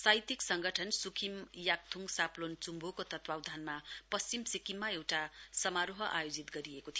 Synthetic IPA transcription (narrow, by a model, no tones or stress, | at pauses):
sajt̪iksʌŋɡʱʌʈʰʌnsukʰimjak̚t̪ʰuŋɡsaplont͡sumbʱokot̪ʌt̪wawd̪ʱanmapʌst͡simsikimːaewʈasʌmaɾoɦʌʔa̰jod͡zit̪ɡʌɾiekot̪ʰj